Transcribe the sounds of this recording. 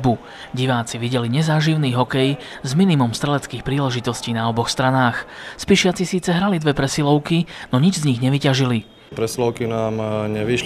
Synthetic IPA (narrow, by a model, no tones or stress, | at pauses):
bu | ɟiʋaːt͡siʋiɟɛliɲɛzaːʒiʊniːɦɔkɛj | zminimumst̪ɾɛlɛt͡skiːxpɾiːlɛʒit̪ɔsciːnaɔbɔxst̪ɾanaːxspiʃɪat͡sisiːt͡sɛɦɾalid̪ʋɛpɾɛsilɔʊkinɔɲid͡ʒzɲiɣɲɛʋicaʒili | pɾɛsilɔʊkinaːmɲɛʋiʃ